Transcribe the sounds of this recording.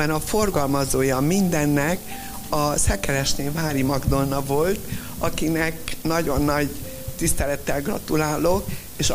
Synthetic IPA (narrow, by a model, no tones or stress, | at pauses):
ɛnɒfo̞rɡɒlmɒzoːjɒmind̪ɛnːɛk | ɒsɛkɛlɛʃneːvaːɾimɒɡd̪o̞nːɒvo̞lt̪ | ɒkinɛknɒɟo̞nːɒɟ | t̪ist̪ɛlɛt̪ːɛlɡrɒ̰t̪ulaːlok | eːʃ